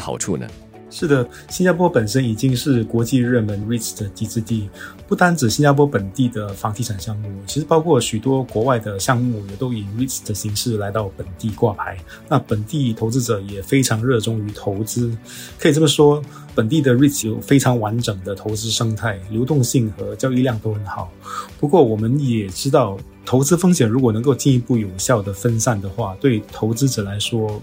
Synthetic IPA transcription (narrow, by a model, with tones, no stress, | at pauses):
xɑ̰˨˩ʊʈ͡ʂʰu˥˧nə̰˩ | ʂɻ̩˥˩d̪ə˩ | ɕi˥nt͡ɕja˥pʰwɔ˥pə˨˩nʂə˥ni˨˩t͡ɕi˥ŋʂɻ̩˥˩kwɔ˧˥t͡ɕi˥˧ɻə˥˩nmə˧˥nɻi˥˩t͡sd̪ə˩t̪i˥˩t͡sɹ̩˥˧t̪i˥˩pu˥˩t̪a˥nʈ͡ʂɻ̩˨˩ɕi˥nt͡ɕa˥pʰwɔ˥pə˨˩nt̪i˥˩d̪ə˩fɑ˧˥ŋt̪ʰi˥˩ʈ͡ʂʰa˨˩nɕjɑ˥˧ŋmu˥˩t͡ɕʰi˧˥ʂɻ̩˧˥pɑ˥ʊkʰwɔ˥˩ɕy˨˩t̪wɔ˥kwɔ˧˥wa˥˩ɪd̪ə˩ɕjɑ˥˧ŋm˥u˥˩jɛ˨˩t̪o˥ʊi˨˩ŋɻi˥˩t͡sd̪ə˩ɕi˧˥ŋʂɻ̩˥˩la˧˥ɪt̪ɑ˥˩ʊpə˨˩nt̪i˥˧kwa˥˩pʰa˧˥ɪ | na˥˩pə˨˩nt̪i˥˩t̪ʰo˧˥ʊt͡sɹ̩˥ʈ͡ʂɤ˨˩jɛ˨˩fe˥ɪʈ͡ʂʰɑ˧˥ŋɻɤ˥˧ʈ͡ʂʊ˥ŋy˧˥t̪ʰo˧˥ʊt͡sɹ̩˥ | kʰɤ˧˥i˨˩ʈ͡ʂɤ˥˩mə˨˩ʂwɔ˥ | pə˨˩nt̪̬i˥˩d̪ə˩ɻi˥˩t͡sʰo˥˩ʊfe˥ɪʈ͡ʂʰɑ˧˥ŋwa˧˥nʈ͡ʂɤ˨˩ŋd̪ə˦t̪ʰo˧˥ʊt͡sɹ̩˥ʂɤ˥ŋt̪ʰa˥˩ɪljo˧˥ʊt̪ʊ˥˧ŋɕi˥˩ŋxɤ˧˥t͡ɕjɑ˥ʊi˥˧ljɑ˥˩˧ŋt̪o˥ʊxə˨˩nxɑ˨˩ʊpu˧˥kwɔ˥˩wɔ˨˩mə˦njɛ˨˩ʈ͡ʂɻ̩˥t̪ɑ˥˩ʊ | t̪ʰo˧˥ʊt͡sɹ̩˥fɤ˥ŋɕjɛ˨˩nɻu˧˥k̬wɔ˨˩nɤ˧˥ŋko˥˧ʊt͡ɕi˥˩ni˧˥pu˥˩jo˨˩ʊɕjɑ˥˩ʊd̪ə˩fə˥nsa˥˩nd̪ə˩xwa˥˩t̪we˥˩ɪt̪ʰo˧˥ʊt͡sɹ̩˥ʈ͡ʂɤ˨˩la˧˥ɪʂwɔ˥